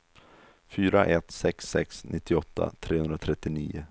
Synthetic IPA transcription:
fyːɾaʔɛt̪sɛksːɛksnʔɪt̪ːɪɔt̪ʰːa̰t̪ʰɾʔeːhɵnd̪ɾat̪ʰɾɛt̪ːɪniːʊ

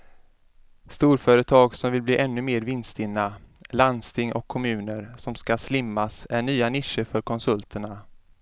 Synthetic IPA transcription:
st̪uːɾfœːɾət̪ʰɑːɡsɔmvɪlbliːʔɛnːɵmeːɾvɪnst̪ɪnːa | land̪st̪ʰɪŋʔɔkʰːɔmʉ̟ːnəɾsɔmskaslɪmːasæɳyːanɪʂːəfœɾkʰɔnsɵlt̪ʰəɳa

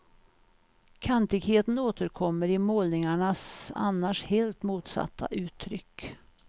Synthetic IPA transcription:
kʰant̪ɪɡheːt̪ənoːt̪əɾkʰɔmːəɾɪmoːlnɪŋaɳasa̰nːaʂheːlt̪muːt̪sa̰t̪ʰːa̰ʔʉ̟ːt̪ʰːɾʏkː

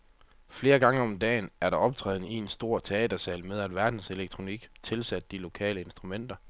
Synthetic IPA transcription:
fle̝ːɐɡ̥ɑ̈ŋəɒ̽md̥ɛ̰ːnæɐɾɑ̈ɒ̽b̥̚t͡sʰʁɛ̰ːð̞ˠn̩əie̝nsd̥o̝ɐ̰t͡sʰe̝ɛ̰ːd̥ɐsɛlmeð̞ˠæd̥ʋæɐd̥n̩se̝leɡ̥̚t͡sʰʁo̝niɡ̥t͡sʰe̝lsæd̥̚ːilo̝kʰɛ̰ːləe̝nsd̥ʁumen̰d̥ɐ

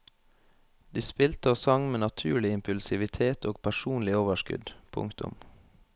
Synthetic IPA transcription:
d̪iːspɪlt̪əoːsɑŋmeːnɑt̪ʰʉːɭɪɪmpʉlsɪʋɪt̪ʰeːt̪ʰoːɡ̥pʰæʃuːnlɪoːʋəʃkʏ̰d̪pʰʊ̰ŋkt̪ʊ̰m

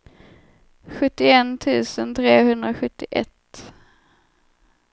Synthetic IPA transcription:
ɧɵt̪ːɪɛnt̪ʰʉ̟ːsənt̪ʰɾeːhɵnd̪ɾaɧɵt̪ːɪʔɛ̰t̪

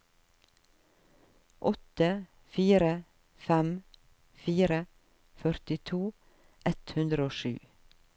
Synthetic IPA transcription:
ʔɔt̪ə | fiːɾə | fɛm | fiːɾə | fœɾt̪ɪt̪ʰuː | ʔɛt̪hʉnd̪ɾəoːʃʉ̰ː

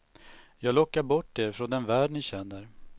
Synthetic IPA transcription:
jɑːɡlɔkːaɾbɔʈːeɾfɾɔnd̪ɛnvæːɖɳɪɕɛnːəɾ

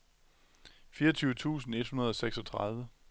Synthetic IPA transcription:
fiːɐʌt͡sʰyːʊət͡sʰṵːsn̩e̝d̥hunɐð̞ˠɒ̽seɡ̥sɒ̽t͡sʰʁɑðˠʋə

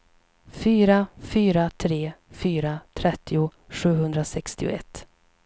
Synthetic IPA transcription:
fyːɾafyːɾat̪ʰɾeːfyːɾat̪ʰɾɛt̪ːɪʊɧʉ̟ːɦɵnd̪ɾasɛkst̪ɪʊ̰ɛ̰t̪ː

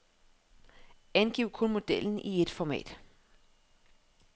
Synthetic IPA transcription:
ænɡ̥iʊ̰kʰɔ̽nmo̝d̥el̰n̩ʔie̝d̥fɒmɛ̰ːd̥

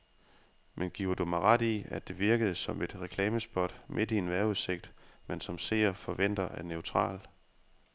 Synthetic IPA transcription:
mʔenɡ̥iʊ̰ɐd̥umɑ̈ɪʁɑd̥iæd̥e̝ʋiɐɡ̥əð̞̩ˠsɒ̽me̝d̥ʁɛkʰlɛːməsb̥ɒ̽d̥mʔe̝d̥ienʋæɐuðˠse̝ɡ̥̚d̥mensɒ̽mse̝̰ːɐfɒ̽ʋen̰d̥ɐʔæɐneʊt͡sʰʁɑ̰̈ːl

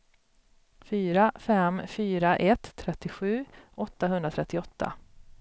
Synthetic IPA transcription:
fyːɾafɛmfyːɾaʔɛt̪ʰːɾɛt̪ːɪɧʉ̟ːʔɔt̪ːaɦɵnd̪ɾat̪ʰɾɛt̪ːɪɔt̪ʰːa̰

